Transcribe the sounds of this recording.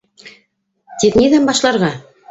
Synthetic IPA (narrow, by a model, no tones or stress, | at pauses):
t̪iðnʲiðæmbɑʃlˠɑɾʁɑ